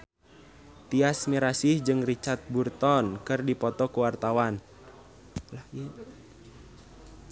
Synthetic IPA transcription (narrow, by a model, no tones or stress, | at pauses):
t̪iasmiɾasihd͡ʒɨŋrit͡ʃart̪̚burt̪ɔnkɨrdipɔt̪ɔkuwart̪awan | la